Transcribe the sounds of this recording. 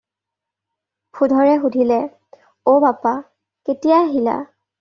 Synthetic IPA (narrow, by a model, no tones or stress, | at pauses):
pʰudʱɔɹɛxudʱilɛ | obapa | ketijaɦila̰